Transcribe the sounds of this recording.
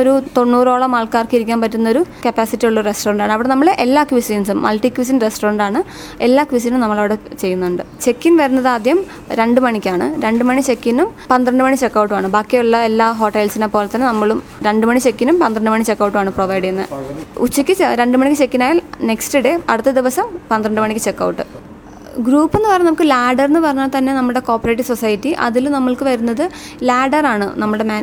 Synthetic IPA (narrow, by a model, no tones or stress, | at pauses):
o̞ɾut̪o̞nːuːroːɭɐmaːɭkaːrkɨiɾikʲːaːnpɐtːunːɐoɾukɐpːaːsitːijuɭːɐrestoːrɐɳɖaːɳɨɐʋiɽenɐmːɐɭeʔelːaːkʋisiːnsumːɐlʈikːʋis̬inresʈoːrɐɳɖaːɳɨ | elːaːkʋis̬inumnɐmːɐɭɐʋiɽet͡ɕe̞jːunːuɳɖɨt͡ɕe̞kːinʋɐɾunːɐðaːd̪jɐm | ɾe̞ɳɖɨmɐɳikʲːaːɳɨɾe̞ɳɖɨmɐɳit͡ɕe̞kːinumpɐnd̪ɾɐɳɖɨmɐɳit͡ɕekːɐwʈːɨʋaːɳɨbaːkːeuɭːɐelːaːɦo̞ːʈːɐjlsinepo̞ːlet̪ːɐnːenɐmːɐɭum | ɾe̞ɳɖɨmɐɳit͡ɕekːinumpɐnd̪ɾɐɳɖɨmɐɳit͡ɕe̞kːɐwʈːʋaːɳɨproːʋɐjɖiŋenːɨ̰ut͡ɕːikʲːɨt͡ɕeɾe̞ɳɖɨmɐɳikʲːɨt͡ɕe̞kːinaːjalne̞kstɨɽeɐɽut̪ːɐd̪iʋɐsɐmpɐnd̪ɾɐɳɖɨmɐɳikʲːɨt͡ɕe̞kːɐ̰wʈːɨ | ɡɾuːpːe̞nːɨpɐrɐjːmnɐmukːɨlaːɖɐrnːɨpɐrɐɲːaːɭt̪ɐnːe̞nɐmːuɭɨɽe̞ko̞ːpːɐreːʈːisosɐjitːiʔɐ̰ðilnɐmːɐɭkɨʋɐɾunːɐðɨ | laːɖɐraːɳɨ̰nɐmːuɭɨɽemaː